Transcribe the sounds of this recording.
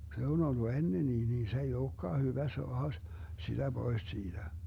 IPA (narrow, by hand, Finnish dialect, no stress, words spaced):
se on olːu enːeniː niː se ei oːkːɑː hyʋæ soɑhɑ s sid̥æ b̥ois siːd̥æ